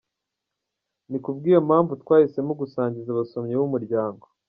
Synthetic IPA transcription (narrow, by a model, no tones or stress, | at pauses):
nikub̚ɡiːjamhaːɱvutkwaːhise̞muɡusaːɲɟizaβaso̞mɲewumuɾɟaːŋɡo